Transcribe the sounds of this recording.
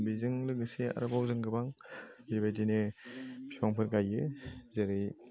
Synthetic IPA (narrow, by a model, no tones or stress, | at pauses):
bizɯŋlɯɡɯsia̰ɾabawzɯŋɡɯbaŋbebadinɯ | saŋpʰɯɾɡajɯzeɾɯj